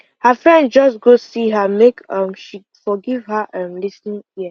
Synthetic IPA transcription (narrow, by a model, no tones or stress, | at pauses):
həfɹɛ̃ndd͡ʒʌsɡosiɦəmekʌ̃mʃi | fɔɡiv̥həʔãmlisnĩŋi